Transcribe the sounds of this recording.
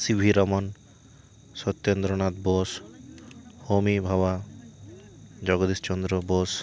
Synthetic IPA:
sibʱiɾɔmɔn | sɔt̪ːend̪ɾɔnat̪bos | homibʱaba | d͡ʒɔɡɔd̪ist͡ʃɔnd̪ɾɔbos

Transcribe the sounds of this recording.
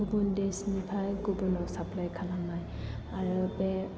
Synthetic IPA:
ubundesnipʰajɡubunɔsapʰlajkʰalaŋnaj | aɹɯbe

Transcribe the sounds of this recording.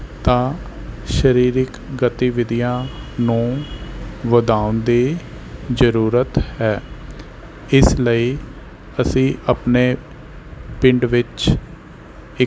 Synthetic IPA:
t̪ãː | ʃəɾiːɾɪk | ɡət̪iʋɪd̪ijãːnũː | ʋəd̪aːʊnd̪eː | zəɾuːɾət̪hɛː | ɪsləiː | əsĩːʔəpneː | pɪɳɖʋɪt͡ʃ | ɪ

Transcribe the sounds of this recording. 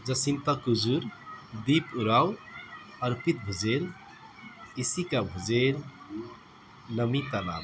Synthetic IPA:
d͡ʒəsint̪akud͡ʒuɾd̪ipuɾaw | əɾpit̪̚bʱud͡ʒel | isikabʱud͡ʒel | nəmit̪ala̰b

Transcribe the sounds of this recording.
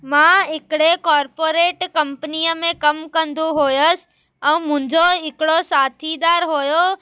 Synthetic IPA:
mãːɦɪkɪɽekaːɾpoːɾeːʈkɐ̃mpənijəmẽkɐmkɐ̃nd̪uɦojəs̆ | ɛ̃ːmʊ̃ɪ̃ɲd͡ʑoɦɪkɪɽosaːt̪ʰid̪aːɾɦoːjo

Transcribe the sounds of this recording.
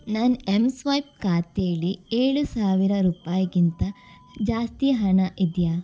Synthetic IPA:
nanemsʋɐjp̚kaːt̪eːɭieːɭusaːʋiɾɐɾuːpaːjɐɡint̪ɐ | d͡ʒaːst̪iɦɐɳɐʔid̪jaː

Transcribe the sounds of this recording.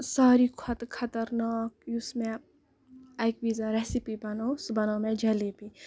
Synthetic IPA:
saːɾikʰɐt̪kʰɐt̪ɐɾnaːk̚jusmẽ | ɐjkʋizaɾesipibɐnosbɐnoːmẽd͡ʒɐlipi

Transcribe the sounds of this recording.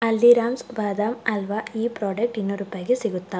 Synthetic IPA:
ɐlːiɾaːmsʋaːd̪aːmɐlʋaːiːpɾoːɖɐk̚ʈinːɐɾupːaːɡisiɡut̪ːa

